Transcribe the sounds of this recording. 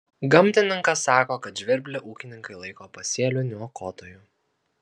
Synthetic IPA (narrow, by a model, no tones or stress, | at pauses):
ɡɐmʲt̪ʲɪnʲɪŋkɐsːɑːkoːkɐt̪ʒʲʋʲɪɾʲbʲlʲɛʔuːkʲɪnʲɪŋkɐɪlˠɐɪkoːpɐsʲiɛlʲʊːnʲuɔkoːt̪oːjuː